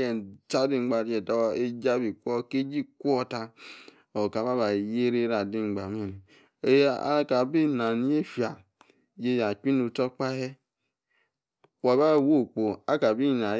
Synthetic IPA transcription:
je˨ta˦di˦ŋ͡mɡ͡ba˨˦e˨ta˦e˦d͡ʒa˦bi˨kʷo˦ke˦d͡ʒi˦kʷu˦ɔ˦ta˦ | o˨ka˨ba˦βa˨je˦ɾe˦ɾa˨di˦ŋ͡mɡ͡ba˨me˦˨˦ | ka˨bi˦na˨ni˦e˦fja˨ | d͡ʒe˦˨ja˨kʷi˦nu˨to˦k͡pa˦he˦ | wa˨ba˦˨wo˦˨k͡po˨a˦ka˨bi˦˨na˨

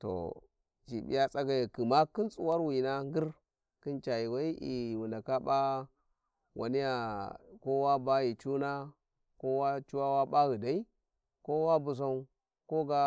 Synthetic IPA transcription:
to̰˨ | t͡ʃḭ˨bḭ˦ja˦t͡sʼa˦ɡa˨i˨ki˨ma˦ki˦nt͡sʼṵ˨wa˦ɾwi˨na˦ŋ˦ɡi˦ɾ | ki˦nt͡ʃa˨i˨wa˦i˦ʔi˨wu˨nda˨ka˦ba˦ | wʔa̰˨ni˦ja˨ko˦wa˦ba˦ji˨t͡ʃu˦na˦ | ko˦wa˦t͡ʃu˦wa˦wa˦ba˦ɣi˨da˨i˦ | ko˦wa˦bu˨s̬a˦u˦ | ko˦ɡa˦

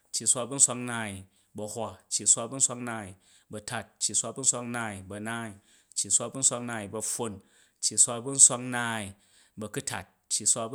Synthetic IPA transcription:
t͡ʃːi˨sʷa˧bu˦n̩sʷa˧knaː˧˨i˨ | bɐ˧hʷa˧t͡ʃːi˨sʷa˦˧bu˦n̩˦sʷa˧knaː˧˦i˨ | bɐ˧ta˧˨t̚t͡ʃːi˨sʷa˧bu˦n̩˦sʷa˧knaː˦˧˨i˨bɐ˧naː˦˨i˨ | t͡ʃːi˨sʷa˧bu˦n̩˦sʷa˧knaː˧˨i˨bɐ˧ɸo˧n | t͡ʃːi˨sʷa˦˧bu˦n̩˦sʷa˦knaː˦˨i˨ | bɐ˧ku˦tʰa̰˨t̚t͡ʃːi˨sʷa˦˧b

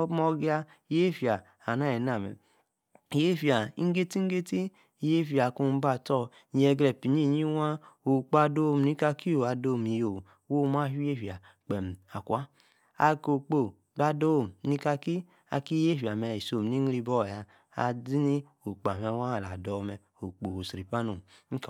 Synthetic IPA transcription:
mɔ˧ɡi˦a˧˨ | je˦fi˨a˨ | a˨na˨˦ɛ˨na˨mɛ̰˨ | je˦fi˨a˨i˦ŋ̩˦ɡe˦ti˦ŋ˦ɡe˦ti˦˨ | je˦fi˨a˨ku˧m̩˦ba˧˨tɔ˦˨ | ɲ˦ɛ˧˨ɡlɛ˨pi˨ɲ˦i˦˨ɲi˦wa˦o˨k͡pa˧do˦˨m˨ni˦ka˧ki˦o˨a˧do˧˦˨mi˨jo˨ | wo˦ma˦fi˦e˦˨fi˨a˨ | k͡pɛ˨m˨a˨kwa˦ | a˧ko˨k͡po˨ | ba˧do˦˨m˨ni˦ka˧ki˦ | a̰˧ki˦je˦fi˨a˨mɛ˧˨i˨so˧˨m˨ni˦li˧bɔ˦˨ja˧ | a̰˧di˦ni˦ | o˨k͡pa˨m˨ɛ˧˨˦wa˦˨la˨dɔ˨mɛ˧˨ | o˨k͡po˨o˨sɾi˨pa˦no˨m̩˦k

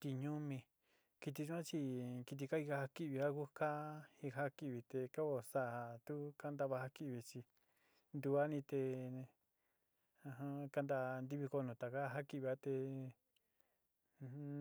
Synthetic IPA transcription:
t̪i˧ɲũ˦mĩ˧ | ki˧t̪̬i˧t͡ʃã˦t͡ʃi˧ki˧t̪̬i˧ka˦i˧ka˧ha˧ki˧βi˧a˦ku˦ka˦hi˧ɦa˦ki˧βi˧t̪e˧ka˦βo˧sa˧˨a˧˨t̪u˦ka˦nd̪a˧βa˧ha˧ki˧βi˧t͡ʃi˧ | nd̪u˧a˦nĩ˧t̪e˧ | a˧ɦã˧ka˧nd̪a˧nd̪i˧βi˧ko˧nũ˧t̪a˨ka˦˧ɦa˦ki˧˨βi˧a˦t̪e˧

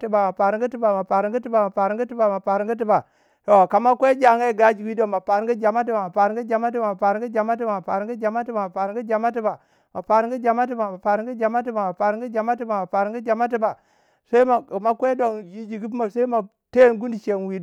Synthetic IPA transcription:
ti˨ba˨ma˨pa˨ɾi˦ŋɡi˦ti˦ba˨ma˨pa˨ɾi˦ŋɡi˦ti˦ba˨ma˨pa˨ɾi˦ŋɡi˦ti˦ba˨ma˨pa˨ɾi˨˦ŋɡi˦t̬i˦ba˨ | to˨ka˨ma˦kʷe˦d͡ʒa˨ŋa˦˨ɡa˦d͡ʒi˨wi˦do˦ma˨pa˨ɾi˦ŋɡi˦d͡ʒa˨ma˦t̬i˦ba˨ma˨pa˨ɾi˦ŋɡi˦d͡ʒa˨ma˦t̬i˦ba˨ma˨pa˨ɾɡi˦d͡ʒa˨ma˦t̬i˦ba˨ma˨pa˨ɾi˦ŋɡi˦d͡ʒa˨ma˦ti˦ba˨ma˨pa˨ɾɡi˦d͡ʒa˨ma˦t̬i˦ba˨ | ma˨pa˨ɾi˦ŋ˦ɡi˦d͡ʒa˨ma˦t̬i˦ba˨ma˨pa˨ɾi˦ŋɡi˦d͡ʒa˨ma˦t̬i˦ba˨ma˨pa˨ɾi˦ŋ˦ɡi˦d͡ʒa˨ma˦t̬i˦ba˨ma˨pa˨ɾi˨ŋɡi˦d͡ʒa˨ma˦t̬i˦ba˨ | sa˦i˦ma˨a˨ma˦kʷe˦do˨ŋji˦d͡ʒi˨ɡi˦p̬ma˨sa˦i˦ma˨ | te˦nɡu˦ndi˨ʃe˨nwi˨

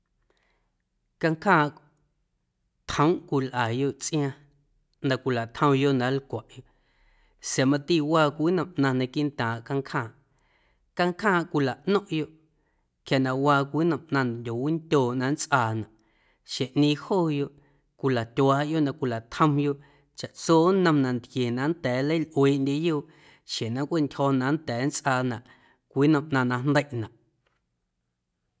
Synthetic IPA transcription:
ka˧ŋkʰãː˦˨ʔ | t̪hə̃˦wʔkʷi˧lʔa˨jo˦ʔt͡sʼʔj̃ã˧ | nã˧kʷi˧la˨t̪ʰə̃˧wjo˦ʔnã˨˦lkʷa˨ʔjo˧˦ʔ | sa˨mã˧t̪i˦˨waː˧kʷi˦nə̃˨mʔnã˧nã˧ki˦nt̪ãː˨ʔka˧ŋkʰhãː˧˨ | ka˧ŋkʰãː˦˨ʔkʷi˧la˨ʔʔnɔ̃˦ʔjo˦ʔ | kja˨nã˨ʔwaː˧kʷiː˦nə̃˧mʔnã˧n˨dʲo˨wi˦nt̪ʲoː˨ʔnã˧nt͡sʔaː˧˨nã˨ʔ | ʃe˨ʔnĩː˧hoː˦˨jo˧˨ʔ | kʷi˧la˨t̪ʲwaː˨˦ʔjo˦ʔnã˧˨ʔkʷi˧la˨t̪hə̃˧mjo˧ʔ | t͡ʃa˨ʔt͡soː˦nə̃˧mnã˨nt̪kje˨nã˧nt̪ɛː˨˦lə˦jlʔweː˨˦˨ʔndʲe˧jo˦˨ʔ | ʃe˨nã˧kʷe˦˨ntʲhɔː˧nã˨˦nt̪ɛː˨˦nt͡sʔaː˧˨nã˨ʔ | kʷiː˦nə̃˧mʔnã˧nã˧nd̪ə˦jʔnã˨ʔ

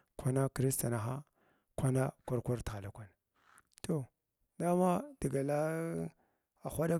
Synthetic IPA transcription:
kʷa˦na˦kɾi˦sta˨na˨xa˦ | kʷa˦na˦kʷa˦ɾkʷa˦ɾtɣa˨la˨kʷa˨n | to˦˨ | da˦ma˦d̥i˨ɡa˨la˦ | a˨xʷa˦da˦

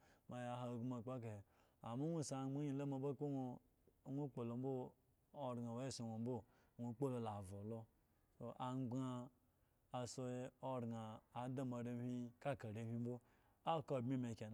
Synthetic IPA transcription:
ma˨ja˨ɦa˨ɡu˦ma˨k͡pa˦k̬e˨h | a˨ma˦nʷu˦˨sa˨˦ɡ͡ba˦ɲi˦la˦ma˨ba˦ko˦no˧˨˦ | ŋʷu˦k͡po˨lo˨m˦bo˦ | o˨ɾɡa˨we˦˨so˨nʷo˨m̩˦bo˦˨ŋʷu˦k͡po˦lo˨la˨vo˨lo˦ | so˨ʔa˨ŋ͡mɡ͡baː˦˨ | so˧e˦o˦ɾɡaː˨˦da˦ma˨ɾe˦hi˦ka˦˨ka˨ɾe˨hi˦m̩˦bo˦ | a˦˨ko˦˨bmi˦me˨ke˨n˨

